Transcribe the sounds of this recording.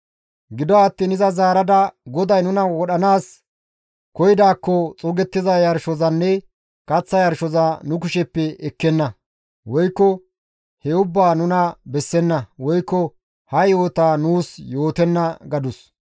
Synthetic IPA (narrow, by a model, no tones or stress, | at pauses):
ɡɪd̪ɔːt̪ːiːnɪzɐzaːɾɐd̪ɐɡɔd̪ɐjnʊnɐwɔɗɐnaːs | kɔjɪd̪aːkːɔt͡sʼʊɡɛt̪ːɪzɐjɐɾʃɔzɐnːɛ | kɐt͡sːɐjɐɾʃɔzɐnʊk̬ʊʃɛpːɛɛkːɛnːɐ | wɔjkːɔ | hɛʊbːaːnʊnɐbɛsːɛnːɐwɔjkːɔ | hɐjo̞ːt̪aːnuːsjo̞ːt̪ɛnːɐɡɐd̪ʊs